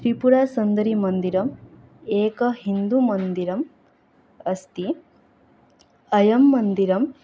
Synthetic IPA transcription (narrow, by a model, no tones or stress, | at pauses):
t̪ɾipuɾaːsɐnd̪ɐɾimɐnd̪iɾɐm | eːkɐɦind̪umɐnd̪iɾɐm | ɐst̪i | ɐjɐmːɐnd̪iɾɐm